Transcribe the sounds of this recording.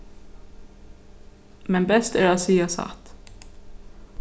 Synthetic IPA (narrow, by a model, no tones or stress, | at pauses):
mɛnbɛst̪æːɾɑːsiːɑsɑ̰t̪